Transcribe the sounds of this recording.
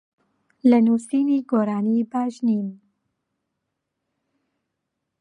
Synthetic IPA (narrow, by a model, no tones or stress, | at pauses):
lənuːsiːniːɡoːɾaːniːbaːʒniːn